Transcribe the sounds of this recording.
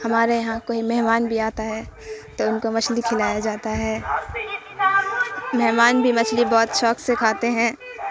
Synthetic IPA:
hɐmaːɾejɐɦãkoɦimɛɦmaːnbʱiaːt̪aɦɛː | t̪oʊnkomɐt͡ʃʰlikʰɪlaːjad͡ʒaːt̪aɦɛː | mɛɦmaːnbʱimɐt͡ʃʰlibɔːt̪ʃɔːksekʰaːt̪eɦɛ̃ː

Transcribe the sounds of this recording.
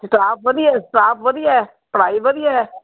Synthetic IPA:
sɪʈaːp̚ʋəd̪iɛːsʈaːpʋəd̪iɛː | pəɽaːibəd̪iɛː

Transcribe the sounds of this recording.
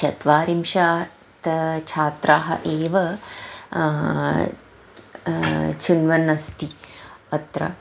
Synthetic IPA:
t͡ʃɐt̪ʋaːɾimʃaː | t̪t͡ʃʰaːt̪ɾaːɦɐ̰ʔeːʋɐ | t͡ʃʰunʋɐnɐst̪iɐt̪ɾɐ̰

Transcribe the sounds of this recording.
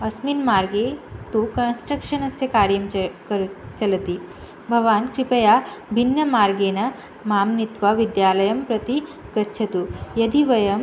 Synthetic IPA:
ɐsminmaːɾɡet̪ukɐnsʈɾɐkʂɐnɐsjɐkaːɾjɐmkɐɾt͡ʃɐlɐt̪i | bʱɐʋaːnkɾipɐjaːbʱinːɐmaːɾɡeːnɐ | maːmnit̪ʋɐʋid̪jaːlɐjɐmpɾɐt̪iɡɐtːʃʰɐt̪ujɐd̪ʱiʋɐjɐm

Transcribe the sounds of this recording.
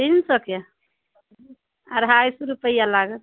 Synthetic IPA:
dinsəkje | aɾɦajsɾupəjalaɡət̪

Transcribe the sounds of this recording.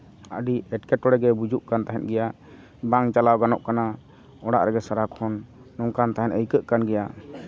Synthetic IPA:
əɖiɛʈkɛʈɔɽɛɡɛbud͡ʒuʔkant̪aɦɛt̪̚ˀɡɛja | baŋt͡ʃalawɡanɔʔkana | ɔɽa̰ʔɾɛɡɛsaɾakʰɔnː | ɔŋkant̪aɦɛnəjkəʔkanɡɛja

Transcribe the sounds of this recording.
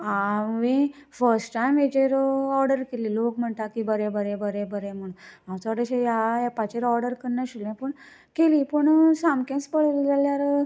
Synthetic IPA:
aʋĩfəɾsʈʈajmʋed͡ʑeɾɔɾɖəɾkeliːlokm̤əɳt̪akibəɾẽbəɾẽbəɾebəɾem̤əɳumãwt͡saɽeɕejaepat͡ɕeɾɔɾɽɖəɾkəɾɳjaɕiljãpəɳ | kelipəɳsamkẽspəɭlid͡zaljaɾ

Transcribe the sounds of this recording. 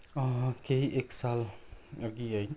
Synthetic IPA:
kejeksaləɡiaj

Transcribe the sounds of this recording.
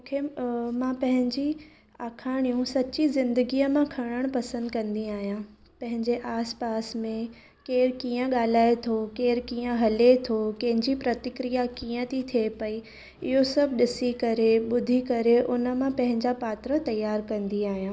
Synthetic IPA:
mũkʰemãpɐ̃ɦɪ̃ɲd͡ʑi | aːkʰaːɽ̃ijũsɐt͡ɕizɪ̃nd̪əɡijəmãkʰɐɽ̃əɽ̃pɐsə̃nd̪kɐ̃nd̪iaːɦijã | pɐ̃ɦɪ̃ɲd͡ʑeʔaːspaːsmẽ | keːɾkiːə̃ɠaːl̤aːet̪ʰokeːɾkiːə̃ɦɐlet̪ʰokɐ̃ɦɪ̃ɲd͡ʑipɾɐt̪ɪkɾijakiːə̃t̪ʰit̪ʰiepɐi | ɪ̰ɦosɐbʱɗɪsikɐɾeɓʊd̪ʱikɐɾeʔʊnə̆mãpɐ̃ɦɪ̃ɲd͡ʑapaːt̪ɾət̪ɐjaːɾkɐ̃nd̪iaːɦijã

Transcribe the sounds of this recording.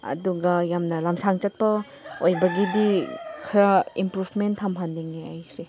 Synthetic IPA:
ɐ̰duɡɐjamnɐlamsaŋt͡ʃɐt̚pɐ | ojbɐɡidikʰiɾaimpɾubʰmentʰːɐmɦandiŋeajse

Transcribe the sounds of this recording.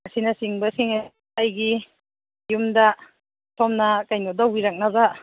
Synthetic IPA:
asinasiŋbasiŋa | ajɡi | jumda | tʰɔmnakajnodawiɾak̚naba

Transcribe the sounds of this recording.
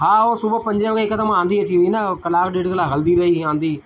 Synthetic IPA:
ɦaːosʊbpɐ̃ɲd͡ʒəʋkekɐd̪əmãːnd̪iɐt͡ɕiʋinakɐlaːkɗɪːɽklaːɦɐld̪iɾɐɦiãːnd̪iː

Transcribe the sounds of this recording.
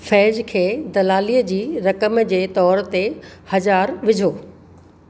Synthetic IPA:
fɛːd͡ʑkʰeːd̪ɐlaːliːəd͡ʑiːɾɐkəmd͡ʑeːt̪ɔːɾt̪ehɐzaːɾʋɪd͡ʑʱoː

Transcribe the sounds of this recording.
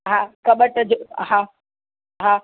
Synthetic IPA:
ɦãːkɐɓəʈɐd͡ʑoɦãː | ɦaː

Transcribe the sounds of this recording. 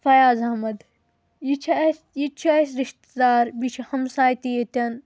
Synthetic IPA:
fɐjaːzɐɦmɐd̪ | jit͡ʃʰɐs | jit͡ʃʰiɐsɾiʃt̪d̪aːɾbit͡ʃʰihɐmsaːjt̪ijet̪ɐn

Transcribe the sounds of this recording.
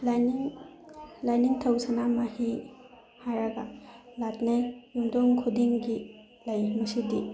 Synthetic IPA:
laniŋ | lajniŋtʰawsanamahi | haɾɐɡalatnajjumdɔŋkʰudiŋɡi | lɐjmɐsidi

